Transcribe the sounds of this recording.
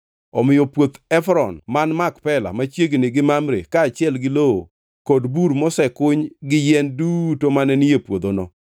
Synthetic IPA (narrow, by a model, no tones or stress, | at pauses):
ɔmɪjɔpwot̪ɛfɾɔnmanmakpɛla̰mat͡ʃjeɡnɪɡɪmamɾḛkaːt͡ʃɪɛlɡɪloo̰ | kodbuɾmɔsɛkʊɲɡɪjɛndutomanɛnɪjepwod̪onɔ